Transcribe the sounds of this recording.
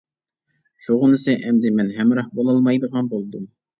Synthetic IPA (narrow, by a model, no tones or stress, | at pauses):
ʃuʁɤnɘ̆sɘʔæmd̪ɪmænɦæmɾɑhbolˠɑlˠmɑjd̪ɤʁɑnbulˠd̪ɤm